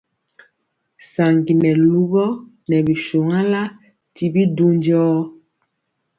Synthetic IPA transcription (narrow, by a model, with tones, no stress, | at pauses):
sa˨ŋɡi˨nɛ˨lu˦ɣɔ˦ | nɛ˨bi˨ʃu˨ŋa˦la˦ | ti˨bi˦du˦nd͡ʒɔː˦